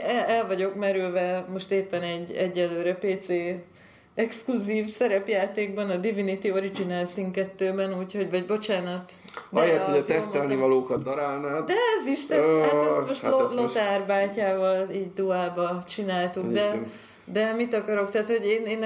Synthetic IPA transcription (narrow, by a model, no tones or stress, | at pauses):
ɛɛlvɒɟo̞kmɛɾylvɛmo̞ʃt̪eːpːɛnɛɟːɛɟːɛlːøːɾɛpeːt̪seː | ɛkskluziːfsɛɾɛpjaːt̪eːɡ̚bɒnɒd̪ivinit̪io̞ɾid͡ʒinalsiŋkɛt̪ːøːbɛnuːcho̞ɟvɒɟbo̞t͡ʃaːnɒt̪ | d̪jɛidɛt̪ɛst̪ɛlnivɒloːkɒt̪̚d̪ɒɾaːlnaːd̪ɛɛziʃt̪ɛɛsmoʃtlolo̞t̪arbaːcaːvɒliːɟd̪uaːbɒt͡ʃinaːlt̪ukd̪ɛ | d̪ɛmit̪ɒkɒɾo̞kt̪ɛɦaːt̪ho̞ɟeːneːn